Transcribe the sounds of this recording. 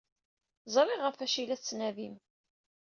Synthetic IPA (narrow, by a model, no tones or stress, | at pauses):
zˤɾˤiʁəfæʃilæθt͡sːnævim